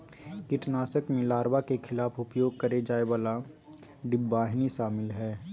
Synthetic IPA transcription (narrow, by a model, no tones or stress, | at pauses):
kɪʈnaːsəkmẽlaːɾbakekʰɪlaːfʰʊpjoːɡ̚kɐɾed͡ʒaːeʋaːla | ɖɪbːaːɦniʃaːmɪlɦɛː